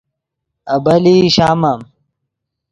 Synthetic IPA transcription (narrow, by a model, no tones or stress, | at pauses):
ɐbɐliːɕaːmɐm